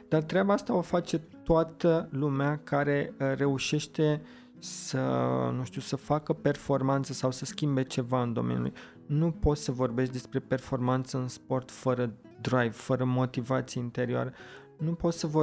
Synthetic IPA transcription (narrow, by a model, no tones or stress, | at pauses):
d̪art̪ɾeabaast̪ao̞fat͡ʃe̞t̪oat̪əlumeakaɾe̞ɾe̞uʃe̞ʃt̪e̞ | sənũʃt̪usəfakəpe̞rfo̞rmant̪səsawsəskʲimbe̞t͡ʃe̞vaɨnd̪o̞mḛnʲjṵlṵj | nupo̞t̪səvo̞rbe̞ʃt̪d̪e̞spɾe̞pe̞rfo̞rmant̪səɨnspo̞rt̪fəɾə | d̪ɾajvfəɾəmo̞t̪ivat̪sijeint̪e̞ɾioa̰ɾe | nupo̞t̪səvo